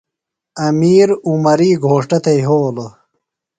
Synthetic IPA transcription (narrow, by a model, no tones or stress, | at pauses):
ɐmiːɾumɐɾiːɡʱoːʂʈɐt̪ejɦoːlo